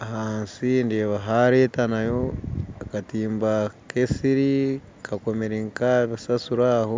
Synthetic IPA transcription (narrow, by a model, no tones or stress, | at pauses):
ahaːnsindeːβaɦaɾetanajo̞akatiːmbakʰesiɾi | kʰako̞meɾiŋkaβisasuɾaːho